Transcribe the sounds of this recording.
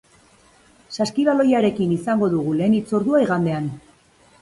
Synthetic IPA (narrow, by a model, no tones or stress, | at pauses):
saskiβalo̞jaɾe̞kinisaŋɡo̞ðuɣule̞ːnit͡so̞ɾðuaiɣand̪e̞an